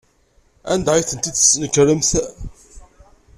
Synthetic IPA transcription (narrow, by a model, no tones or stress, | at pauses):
æ̰nd̪æʁjθənt̪id̪snəkːɾəmθ